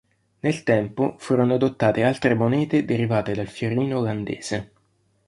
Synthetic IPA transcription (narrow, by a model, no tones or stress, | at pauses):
nelt̪ɛmpofuːɾonoad̪ot̪ːaːt̪ealt̪ɾemonɛːt̪ed̪eɾivaːt̪ed̪alfjoɾiːnooland̪ḛːz̥e